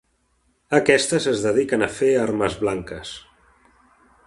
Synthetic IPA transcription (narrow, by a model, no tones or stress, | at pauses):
əkɛst̪əzəzðəð̞ikənəfeaɾməzβlaŋkəs